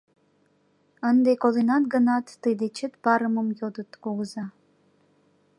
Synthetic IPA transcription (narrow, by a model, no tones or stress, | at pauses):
ənd̪ekolˠenɑt̪ɡənɑt̪ːɨjd̪et͡ʃət̪b̥ɑɾəməmjod̪ət̪koɣəzɑ